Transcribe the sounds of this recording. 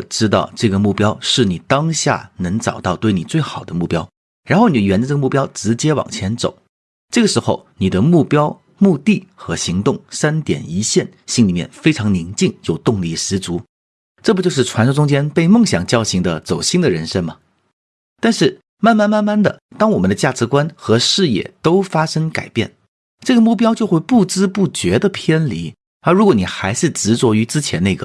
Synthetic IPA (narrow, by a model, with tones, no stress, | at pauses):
ʈ͡ʂɻ̩˥t̪ɑ̰˥˧ʊʈ͡ʂɤ˥˩ɡə˩mu˥˩pjɑ˥ʊʂɻ̩˥˩ni˨˩t̪ɑ˥ŋɕja̰˥˩nɤ˧˥ŋʈ͡ʂɑ˨˩ʊt̪ɑ˥˧ʊt̪we˥˩ɪni˨˩t͡swe˥˩ɪxɑ˨˩ʊd̪ə˦mu˥˩pjɑ˥ʊ | ɻa˧˥nxo˥˩ʊni˩˥˩ɥɛ˧˥nd̪ə˧ʈ͡ʂɤ˥˩ɡə˧mu˥˩pjɑ˥ʊʈ͡ʂɻ̩˧˥t͡ɕjɛ˥wɑ̰˨˩ŋt͡ɕʰjɛ˧˥nt͡so̰˨˩˦ʊ | ʈ͡ʂɤ˥˩ɡə˩ʂɻ̩˧˥xo˥˧˩ʊni˨˩d̪ə˦mu˥˩pjɑ˥ʊ | mu˥˧t̪i˥˩xɤ˧˥ɕi˧˥ŋt̪ʊ˥˩ŋsa˥nt̪jɛ̰˨˩ni˧˥ɕjɛ˥˩nɕi˥ŋli˨˩mjɛ̰˥˩nfe˥ɪʈ͡ʂʰɑ˧˥ŋni˧˥ŋt͡ɕi˥˧ŋjo˥˧ʊt̪ʊ˥˧ŋli˧˩ʂɻ̩˧˥t͡su˧˥ | ʈ͡ʂɤ˥˩pt͡ɕo˥˧ʊʂɻ̩˥˩ʈ͡ʂʰwa˧˥nʰ˥ʈ͡ʂʊ˥ŋt͡ɕjɛ˥npe˥˧ɪmɤ˥˧˩ŋɕjɑ˨˩ŋt͡ɕjɑ˥˩ʊɕi˧˥ŋd̪ə̰˧t͡so˨˩ʊɕi˥ŋd̪ə˨ɻə˧˥nʂə˥nmɐ˨ | t̪a˥˧nʂɻ̩˥˩ | ma˥˧nma˥˧nma˥˧nma˥˩nd̪ə̰˩t̪ɑ˥ŋwɔ˨˩mə˦nd̪ə˧t͡ɕja˥˩ʈ͡ʂɻ̩˧˥kwa˥nxɤ˧˥ʂɻ̩˥˧jɛ̰˥˩t̪o˥ʊfa˥ʂɤ˥ŋka˨˩ɪpjɛ̰˥˩n | ʈ͡ʂɤ˥˩ɡə˩mu˥˩p̬jɑ˥ʊt͡ɕjo˥˧ʊxwɪpu˥˩t͡sɻ̩˥pu˥˩t͡ɕɥɛ˧˥d̪ə˧pʰjɛ˥nli˧˥ | ə˞˧˥ɻu˧˥kwɔ˧˥ni˨˩xa˧˥ɪʂɻ̩˥˩ʈ͡ʂɻ̩˧˥t͡swɔ˧˥y˧˥t͡sɹ̩˥t͡ɕʰjɛ̰˧˥nne˥˩ɡə˩